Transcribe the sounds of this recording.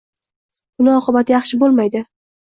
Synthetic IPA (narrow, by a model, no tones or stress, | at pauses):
bʊnɪɒqʰɨbat̪ʰjɑχʃɪbolˠmajd̪ɪ